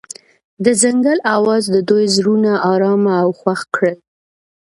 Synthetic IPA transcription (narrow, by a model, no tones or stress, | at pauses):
d̪əzaŋɡəlawɑzd̪əd̪ojzɾunaʔɑɾɑmaːwxwaxkɽəl